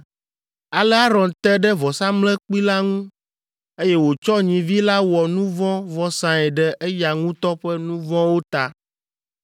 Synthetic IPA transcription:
a˨lɛ˦a˦ɾɔ̃˨nt̪ɛ˦ɖɛ˦vɔ˨sã˦mlɛ˦k͡pi˦la˦ŋũ˦ | e˦jɛ˦wo˨t͡ʃɔ˦ɲĩ˨vi˦la˦wɔ˨nũ˦vɔ̃˦vɔ˦sã˨ɛ˨ɖɛ˦ʔe˦ja˨ŋũ˦t̪ɔ˦ɸɛ˦nũ˦vɔ̃˦wo˦t̪a˨

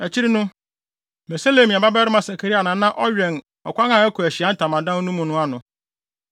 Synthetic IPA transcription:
æ˨t͡ɕʰi˦ɾi˦nʊ̃˦ | bɛ˨sa˦le˨mĩ˨a˨ba˦bɛ˦ɾɪ˦mã˨sa˨kʰe˨ɾi˦a˨nã˨˦nã˦ʔɔ˦ɥᶣɛ˨n | ɔ̰˨kʷa˦nã˨ɛ˦kʰʊ˨æ˨ɕi˨a˦n̩˦tʰã˨mã˨dã˦n˦nũ˦mʊ̃˨nʊ̃˦a˦nʊ̃˨

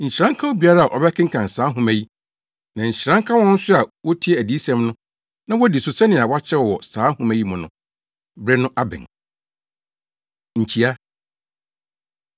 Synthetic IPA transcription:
ɲ̩˨ɕɾã˦ŋ˦kʰã˦wo˦bi˨a˦ɾa˦a˨ʔɔ˨bɛ˦kʰɪ̃˦ŋ̩˦kʰã˨n̩˨saː˨˦ɦʊ̃˦mæ˨ji˦ | nã˨ɲ̩˨ɕɾã˦ŋ˦kʰa˦wɔ̃˦n̩˦sʊ˦a˨wɔ˦tʰi˦ɛ˦˨æ˨di˨˦sɛ̃˦mnʊ̃˦ | nã˦wɔ˦di˨sʊ˨sɛ˦nɪ̃˨a˨wa˦t͡ɕʰɛ˦ɔ˨wɔ˨saː˨˦hʊ̃˨mæ˨ji˦mʊ̃˨nʊ̃˨ | bɾɛ˦nʊ̃˦ʔa˦bɪ̰˨n | ɲ̩˨t͡ɕʰi˨a˦

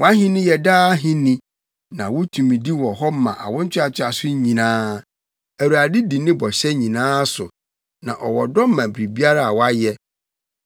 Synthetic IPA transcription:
wɔ˦a˦ɦĩ˦nɪ̃˦jɛ˨daː˦ɦĩ˦nĩ˨ | nã˨wʊ˦tʰũ˨mĩ˨di˦wɔ˨ɦɔ˦mã̰˨ʔa̰˨wʊ̃˦n̩˦t͡ɕʰᶣɪ˦a˨t͡ɕʰᶣɪ˦a˨sʊ˦ɲĩ˨nãː˦ | æ˨wu˨a˨dɪ˦di˨nɪ̃˦bɔ˨ɕɛ˦ɲĩ˨nãː˦sʊ˨ | nã̰˨ʔɔ˨wɔ˨dɔ˦m˦mã˨bɾi˨bi˦a˦ɾa˦a˨wɔ˦a˦jɛ˦

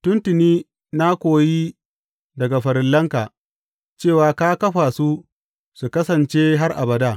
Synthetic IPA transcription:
tʊ˦ntɪ˨niː˦ | na˦kʷoː˨ji˦ | dɐ˨ɡa˨ɸɐ˨ɾɪ˨lːɐ˦ŋka˨ | t͡ʃeː˦˨waː˨kaː˦kɐ˦ɸa˨su˦ | su˨kɐ˦sɐ˨nt͡ʃeː˦ɦa˦rʔa̰˨bɐ˨daː˦˨

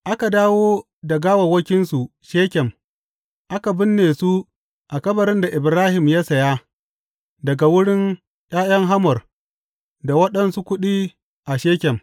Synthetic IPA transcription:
ʔa˦ka˨daː˦woː˦ | da˨ɡaː˦wɐ˨wɐ˦kʲɪ˦nsu˨ | ʃeː˦kʲɛ˨m | ʔa˦ka˨bɪ˦nːeː˨su˦ | ʔa˨kɐ˦bɐ˨ɾɪ˦nda˨ʔɪ˨bɾaː˦hɪ˨mja˦sɐ˨ja˦ | dɐ˨ɡa˨wʊ˦ɽɪ˦n | j̰ʲʼaː˦jɐ˦ŋɦa˦mɔ˨r | da˨wɐ˦ɗɐ˦nsu˦kʷʊ˦ɗiː˦ | ʔa˨ʃeː˦kʲɛ˨m

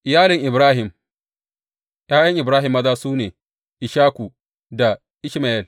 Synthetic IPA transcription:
ʔɪ˨jaː˦lɪ˨ŋʔɪ˨bɾaː˦ɦɪ˨m | jaː˦jɐ˦ŋʔɪ˨bɾaː˦ɦɪ˨mːɐ˦daː˦suː˦neː˨ | ʔɪ˨ʃaː˦kʷu˨ | da˨ | ʔɪ˦ʃma˨ʔɛ˨l

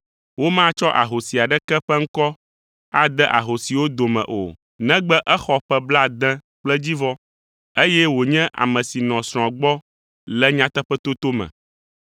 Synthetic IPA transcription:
wo˦mã˦t͡ʃɔ˦ʔa˨ɦo˨si˨a˨ɖɛ˦kɛ˦ɸɛ˦ŋ̩˦kɔ˦ | a˦d̪ɛ˦ʔa˨ɦo˨si˨wo˦d̪o˨mɛ̰̃˨ʔo̰˨ | nɛ̃˦ɡ͡bɛ˦ʔɛ˦xɔ˦ɸɛ˦bla˦d̪ɛ̃˦ | k͡plɛ˦d͡ʑi˦vɔ˦ | e˦jɛ˦wo˨ɲɛ̃˦ʔa̰˨mɛ̃˨si˨nɔ̃˨sɾ̃ɔ̃˨a˨ɡ͡bɔ˦ | lɛ˦ɲã˦t̪ɛ˦ɸɛ˦t̪o˦t̪o˦mɛ̰̃˨

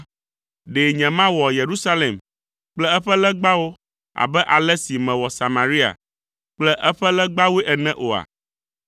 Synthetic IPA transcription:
ɖe˨ɲɛ̃˨mã˦wɔ˨je˨ɾu˦sa˦le˨m | k͡plɛ˦ɛ˦ɸɛ˦lɛ˦ɡ͡ba˦wo˦ | a̰˨bɛ˦ʔa˨lɛ˦si˨mɛ̃˨wɔ˨sa˨mã˨ɾi˦a̰˨ | k͡plɛ˦ʔɛ˦ɸɛ˦lɛ˦ɡ͡ba˦we˦ʔɛ˨nɛ̃˦ʔo˨a̰˨

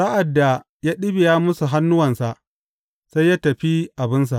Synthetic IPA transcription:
sa˦ʔa˨dːa˨ | jaː˦ɗɪ˦bɪ˨jaː˦mʊ˦su˨ɦa˦nːʊ˦wɐ˨nsa˨ʔ | sa˦jːaː˦tɐ˨ɸi˦ʔa˨bɪ˦ns̬a˨ʔ

